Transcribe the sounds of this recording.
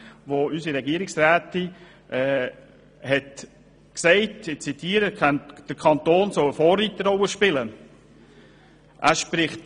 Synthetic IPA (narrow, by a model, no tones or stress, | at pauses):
voysiɾɛɡiəɾɪksɾæːt̪i | ʔɛː | hɛt | ksɛɪtɪt͡sitʰiːəɾəd̥əɾkʰɑnt̪oːnsɔwəfoːrːit̪əɾɔwəʃpɪlə | ʔæːʃpɾɪχt